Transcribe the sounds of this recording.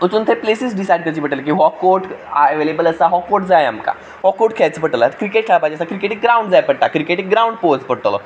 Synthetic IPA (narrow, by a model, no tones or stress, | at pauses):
ut͡sunt̪ʰeplesisɖisajɖkəɾt͡ɕiːpəʈələk̬ĩɦɔkːoʈaəʋelebələsaɦɔkːoʈ̚d͡zaja̰mka̰ | ɦɔkːoʈ̚kʰajt͡səpəʈəlat̪əkɾikeʈʈʰabad͡ʑiəsakɾikeʈek̚ɡɾauɳɖd͡zajpəɽt̪akɾikeʈek̚ɡɾauɳɖpospəɽʈəlɔ̰